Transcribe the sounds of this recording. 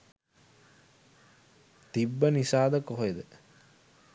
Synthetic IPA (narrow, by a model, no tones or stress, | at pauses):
t̪ibːənisaːd̪əkoɦoed̪ə